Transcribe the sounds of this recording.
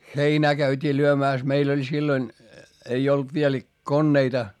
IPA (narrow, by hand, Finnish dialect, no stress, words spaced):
xeinæː kæytʲiː lyømæˑs meil olʲ silːonʲ ei olt ʋiel konːeitɑ